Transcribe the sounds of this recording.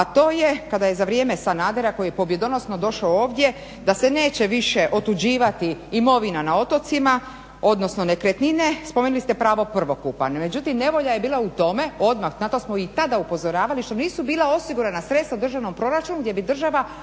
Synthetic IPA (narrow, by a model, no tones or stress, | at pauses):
at̪o̞ːje̞kad̪aje̞zaʋɾjeːmesanaːd̪eɾako̞jijepo̞bje̞d̪o̞no̞sno̞d̪o̞ʃaooːʋd̪je̞ | d̪ase̞ne̞ːt͡ɕeʋiʃeʔo̞t̪ud͡ʑiːʋat̪iimo̞ʋinanao̞t̪o̞t̪sima | o̞d̪no̞sno̞nekɾet̪nine̞spomeːnulist̪epɾaːʋo̞pr̩ʋo̞kupa̰nme̞d͡ʑut̪imne̞ʋo̞ʎaje̞biːlaut̪o̞me̞o̞d̪maxnat̪o̞smoit̪ad̪aupo̞zo̞ɾaːʋaliʃt̪o̞niːsubiːlˠao̞siɡuɾanasɾet̪st̪aud̪r̩ʒaʋno̞mpɾo̞ɾat͡ʃunuɡd̪je̞bid̪r̩ʒaʋa